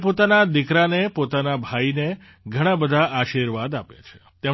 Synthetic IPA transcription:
pot̪anad̪ɪkɾanepot̪anabʱaine | ɡʱəɽ̃ãbəd̪ʱaaʃiɾʋad̪apja̰t͡ʃʰe̥ | t̪e

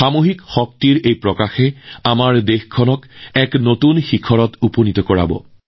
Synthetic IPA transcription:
xamoɦikxɔk̚tiɹejpɹɔkaxɛamaɹdexkʰɔnɔkɛknotunxikʰɔɹɔtuponitɔkɔɹa̰bɔ̰

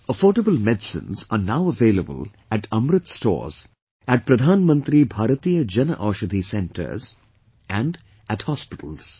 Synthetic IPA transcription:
əfɔːɾɖəbəlmɛɖsɪ̰̃nza̰ːɾnaʊəʋeːləbə̰l | æʈʰʌmɾɨt̪sʈɔ̰ːz̥ | æʈ̚pɾɐd̪ʱaːnmə̃nt̪ɾibʱaːɾət̪iːjəd͡ʒɐnə̰ʔɔːʃəd̪ʱisɛ̃ɳʈə̰ɾz | ʔæ̃ɳɖ | ʔæʈhɔːspɪʈʰəl̩z̥

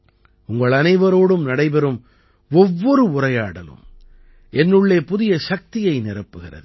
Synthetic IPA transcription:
ʊŋɡɐɭɐnɐɪʋɐɾoːɽɯmnɐɽɐɪbɛɾɯm | ɔʋːɔɾɯʊrɐjaːɽɐlɯ̰m | ɛnːɯɭːeːpʊðɪjɐʃɐk̚t̪ɪjɐɪnɪɾɐpːɯɣɪrɐ̰ðɯ

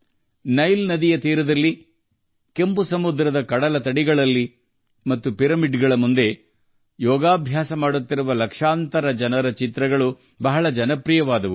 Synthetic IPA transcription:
nɐjlnɐd̪ijɐt̪iːɾɐd̪ɐlːi | kempusɐmud̪ɾɐd̪ɐkɐɽɐlɐt̪ɐɽiɡɐɭɐlːi | mɐt̪ːupiɾɐmiɖɡɐɭɐmund̪e̞ | jɔːɡaːbʱjaːsɐmaːɽut̪ːiɾuʋɐlɐkʂaːnt̪ɐɾɐd͡ʒɐnɐɾɐt͡ʃit̪ɾɐɡɐɭu | bɐɦɐɭɐd͡ʒɐnɐpɾijɐʋaːd̪ɐʋu

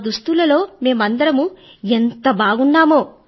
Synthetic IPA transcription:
d̪ust̪ulɐlo̞ːme̞ːmɐnd̪ɐɾɐmu | ent̪ɐbaːɡunːaːmoː

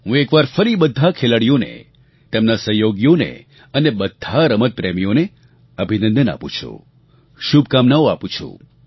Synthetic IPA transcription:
ɦũekʋaɾfəɾibəd̪ʱːakʰeləɽijonḛ | t̪emnasəɦjoɡjonḛ | ənebəd̪ʱːaɾəmət̪̚pɾemijone | əbʱinə̃nd̪əna̰pṵ̃t͡ʃʰṵ̃ | ʃub̚ʱkamnaoapũt͡ʃʰṵ̃

